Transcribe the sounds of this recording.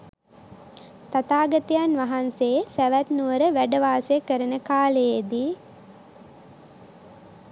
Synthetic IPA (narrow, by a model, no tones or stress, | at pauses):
t̪at̪aːɡət̪ijanʋaɦansesæʋæt̪nuʋəɾəʋæɖəʋaːsəjəkəɾənəkaːləjed̪i